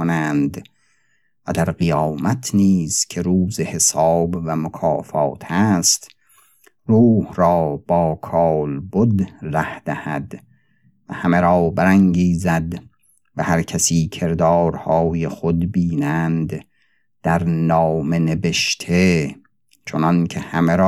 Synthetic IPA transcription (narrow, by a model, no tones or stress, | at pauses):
onænd̪ | væd̪æɾɢijɒːmæt̪ʰniːzkʲʰe̞ɾuːzehe̞sɑɒːbvæmokʰɒːfɒ̰ːt̪ʰæst̪ | ruːhɾɒːb̥ɒːkʰɑːlbod̪ræhd̪̥æhæ̰d̪ | væhæmeɾɒːbæɾæŋɡiːzæd̪ | væhæɾkʲʰæsiːkʰe̞ɾd̪ɒːɾhɒːjexod̪biːnænd̪ | d̪̥æɾnɒːme̞neve̞ʃt̪ʰe | t͡ʃʰonɒnkʰehæmeɾː